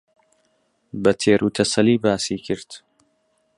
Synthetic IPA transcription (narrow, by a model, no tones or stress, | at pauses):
bɐt̪ʰeːɾʔuːt̪ʰɐsɐliːbaːsiːkʰɨɾt̪